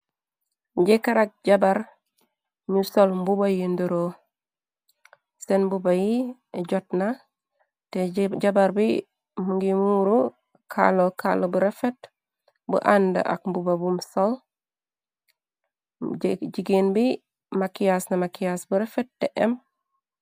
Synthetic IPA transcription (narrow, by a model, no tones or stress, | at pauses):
ɟɛkaɾak̚ɟabaɾ | ɲusolmbubajinduɾo | sɛnbubaji | ɟɔt̚na | tɛɟabaɾbi | muŋɡimuɾu | kʰa̰lokʰalobuɾɛfet | bṵʔandɐ̰ʔa̰k̚mbubabumsol | ɟiɡinbi | makijasnamakijasbuɾɛfet̚ːɛʔɛm